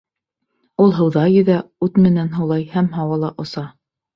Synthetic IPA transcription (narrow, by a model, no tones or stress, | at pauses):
ulˠɦɤ̆wðɑjɵ̆ðæʉt̪mɘ̆nænɦɤ̆wlˠɑjhæmɦɑwɑlˠɑʔŏsɑ